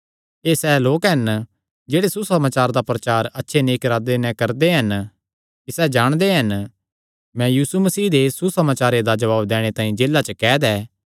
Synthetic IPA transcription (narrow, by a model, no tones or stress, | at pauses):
eːsɛːloːkɦɐn | d͡ʒeːɽesusɐmaːt͡ʃaːɾd̪apɾɐt͡ʃaːɾɐtːʃʰeneːkɾaːd̪enɛ̃kɐɾd̪eɦɐn | kisɛːd͡ʒaːɽ̃d̪eɦɐn | mɛ̃jiːsumɐsiːd̪esusɐmaːt͡ʃaːɾed̪ad͡ʒɐʋaːbd̪ɛːɽ̃et̪ãːĩd͡ʒeːlːat͡ʃəkɛːd̪ɛː